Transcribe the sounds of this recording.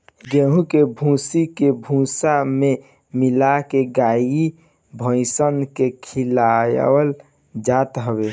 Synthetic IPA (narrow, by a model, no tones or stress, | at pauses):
ɡeɦũkebʱũsikebʱũsame | milakeɡai | bʱə̃ɪsənkekʰilaj̰wəl | d͡ʒat̪ɦəbe